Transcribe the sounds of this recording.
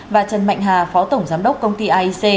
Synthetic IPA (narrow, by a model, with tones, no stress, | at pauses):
vaː˨˩t͡ɕə˨˩nma̰˧˨ŋ̟ɦaː˨˩fɔ˨˦t̪ə˧˩wŋ͡mzaː˨˦mɗə˦˥wk͡p̚kə˧wŋ͡mt̪i˧ʔaː˧ʔi˧se˧